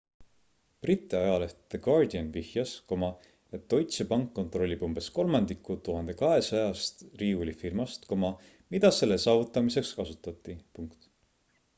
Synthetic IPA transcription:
prit̪ːˑiɑjɑleh̪eɡ̥ɑrd̪iɑnvihjɑsko̞mɑ | et̪ːo̞jt̪sepɑŋkːo̞nt̪ro̞lʲːib̥umb̥e̞sko̞lmɑnd̪ikːˑut̪uɦɑnd̪e̞kɑɦe̞sɑjɑst̪riːulʲifirmɑst̪ko̞mɑ | mid̪̥ɑse̞lːe̞sɑːvut̪ːˑɑmise̞kskɑsut̪ːˑɑt̪ːˑipuŋkt̪

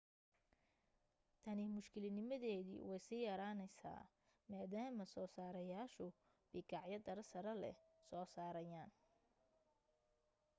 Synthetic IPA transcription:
t̪ʰɐnɪmʊʃkʰɪlɪnɪmɐðɛːðḭːwɛjsijɐɾaːnɛjsa̰ː | maːðaːmɐsɔːsaːɾɐjaːʃʊ | bɪɡɑʕjɐd̪ɐɾɐsɐɾɐlɛ̰sɔːsaːɾɐjaːn

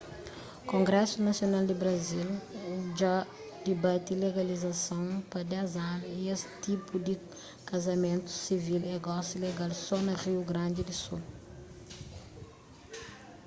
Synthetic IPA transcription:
kõŋɡɾɛsunɐsjonald̪ibɾɐzilud͡ʒa | d̪ebat̪ileɡɐlizɐsɐ̃w̃pɐd̪ɛzãɾiest̪ipud̪i | kɐzɐmẽnt̪u̥sivileɡɔsileɡalsɔnɐriuɡɾɐ̃nd̪id̪isul

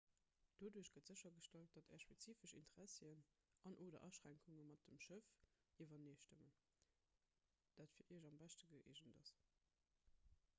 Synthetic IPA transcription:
d̥oːduəɕɡ̥ətz̥əɕɐɡəʃtɑlt̚d̥ɑtʰɛːɐʃpet͡siːfəʃḭntəʁæsən | ʔɑnʔoːdɐ̰ʔɑʃʁ̥æŋkʰuŋəmɑt̚dəmʃəf | ʔivɐneːʃtəmən | d̥aːtfiːɐʔiʑɑmbæʃtəɡəʔḛʒəndɑs

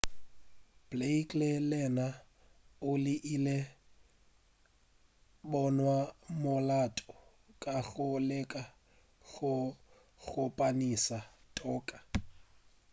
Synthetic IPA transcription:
b̥leikʼlelɛna | ʊlɪʔile | bɔnwamʊlatʼɔ | kʼaɣʊlɛkʼa | ɣʊ | ɣʊpʼanisatʼɔːkʼḁ

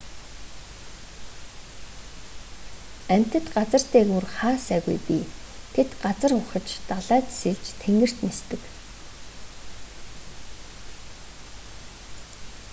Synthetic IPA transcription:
æm̥ʲt̪ə̆t̪ɢat͡sə̆r̥t̪eːɣurχaːsæːɣṵjpi | t̪ʰet̪ɢat͡sə̆rʊχə̆t͡ɕt̪aɮaːt̪seɮt͡ɕt̪ʰeŋɡɘ̆r̥t̪nest̪ɘ̆k

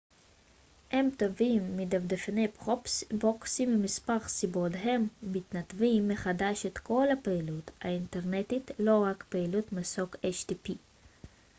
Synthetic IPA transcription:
hemt̪avimːid̪avd̪efnepʁosboksimimispaʁsibod̪ɦe̞mːit̪nat̪vimːeχadaʃet̪kʰo̞lapeilut̪aint̪eʁnet̪it̪lo̞ʁakpeilut̪masokeʃt̪ipi

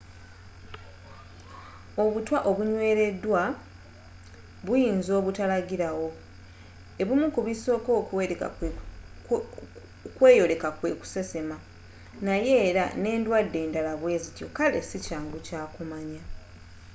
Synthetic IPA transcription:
o̞βutwaʔo̞βuɲwe̞ːɾe̞dːwa | βujiːnzo̞ːβutalaɡiɾawo̞ | e̞βumukuβiso̞ːko̞ːkuḛ | kwe̞ːjo̞le̞kakwe̞ːku̥se̞se̞ma | naje̞ːɾa̰ne̞ːndwadːe̞ːndalaβwe̞ːzitjo̞̰kale̞̰sicaːŋɡucaːkumaɲa

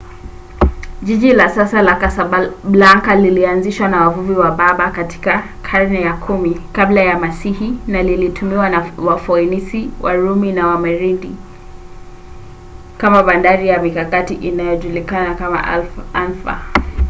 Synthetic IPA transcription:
ʄiʄilasasalakasaɓlaŋkalilianziʃwanawavuviwaɓaɓakati̥ka | kʰaɾnɛjakʰumikablajamasihinalilitumiwanawafɔinisiwʔa̰ɾuminawamɛɾiɗi | kamaɓandaɾijamikakatiʔinajɔʄulikanakama̰alfa̰

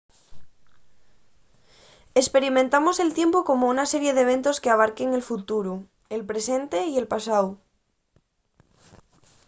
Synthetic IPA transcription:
espe̞ɾimẽnt̪amo̞se̞lt̪je̞mpoko̞mounase̞ɾjeðeβ̞e̞nt̪o̞skeaβ̞aɾke̞ŋe̞lfut̪uɾu | elpɾe̞se̞nt̪e̞ie̞lpasaw

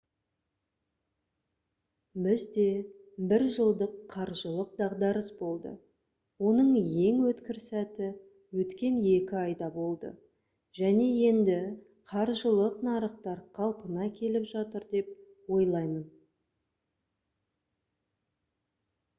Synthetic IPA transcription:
bɪzd̪e̞bɪɾʒəlˠd̪əqʰːɑɾʒəlˠəq̚d̪ɑʁd̪ɑɾəsbo̞lˠd̪ə̰ | wo̞nəɴje̞ŋwɵt̪kʲɪɾsæt̪ɪ | wɵt̪kʲe̞nje̞kʲɪɑjd̪ɑbo̞lˠd̪ə̰ | ʒ̥æne̞je̞nd̪ɪ | qʰɑɾʒəlˠəqnɑɾəχt̪ɑɾqʰɑlˠpənɑkʲʰe̞lɪpʒɑt̪əɾd̪e̞p̚ | wo̞jlˠɑjmən

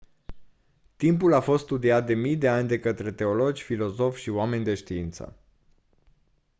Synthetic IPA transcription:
t̪impulafo̞st̪st̪ud̪iat̪̚d̪e̞mijd̪e̞anʲd̪e̞kət̪ɾe̞t̪e̞o̞lo̞d͡ʒʲfilo̞zo̞fʲʃioame̞nʲd̪e̞ʃt̪iint̪sə̰

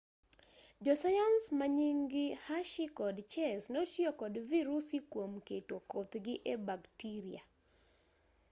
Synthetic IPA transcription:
d͡ʒɔsajansmaɲiŋɡɪhaʃikɔdt͡ʃɛsnotjɔkɔdviɾusikwomketokot̪ɡɪʔɛbaktiɾia

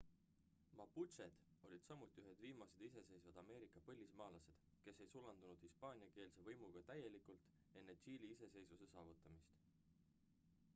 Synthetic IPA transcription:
mɑput̪t͡ʃe̞d̪̥o̞lʲid̪̥sɑmut̪ːˑiyɦe̞d̪̥viːmɑse̞d̪̥ise̞se̞jsvɑd̪̥ɑme̞ːɾikːˑɑpɤ̞lʲːismɑːlɑse̞d̪̥ | ke̞se̞jsulɑnd̪unud̪̥hispɑːnʲiɑke̞ːlse̞vɤjmuɡ̥ɑt̪æje̞likult̪ˑ | e̞nːe̞t͡ɕiːliise̞se̞jsvuse̞sɑːvut̪ːˑɑmist̪

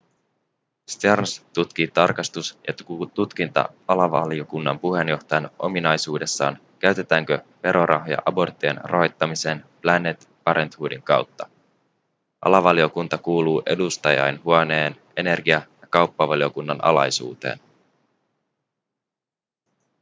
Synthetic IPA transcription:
st̪ernst̪ut̪kiːt̪ɑrkɑst̪usjɑ̰t̪ut̪k̟int̪ɑ̰ | ɑlɑʋɑ̰lijo̞kunːɑmpuɦe̞njo̞ht̪ɑjɑnʔo̞̰minɑjsuːde̞sːɑ̰ːn | k̟æɥt̪e̞t̪æːŋkøpe̞ɾʔo̞ɾʔɑ̰ɦojɑ̰ʔɑbo̞rt̪ːiḛnro̰ɦo̞jt̪ːɑmise̞nplænːet̪ | pɑɾʔe̞nt̪huːdiŋkɑwt̪ːɑ̥ | ʔɑ̰lɑʋɑlio̞kunt̪ɑkuːluːʔe̞dust̪ɑjɑ̰jnɦuɑne̞ːn | e̞ne̞rɡiɑjɑkɑwpːɑʋɑlio̞kunːɑnʔɑ̰lɑ̰jsṵːt̪ḛːn

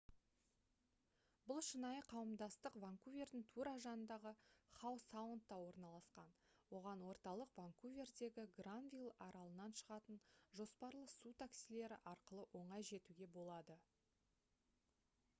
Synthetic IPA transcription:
bʊlˠʃənɑjəqʰɑwəmd̪ɑst̪əqvaŋkuvʲe̞rd̪ɪŋt̪ʰuɾaʒɑnənd̪ɑʁəχawsawənt̪ːɑwo̞ɾnɑlˠɑsqɑnwo̞ʁɑnwo̞ɾt̪ɑlˠəqvaŋkuvʲe̞rd̪e̞ɡʲɪɡranvʲijlˠɑɾɑlˠənɑnʃəʁɑt̪ənʒo̞spɑɾlˠəsut̪ʰaksile̞ɾɪʔɑɾqəlˠəʔo̞ɴɑjʒe̞t̪uɡʲe̞bo̞lˠɑd̪ə

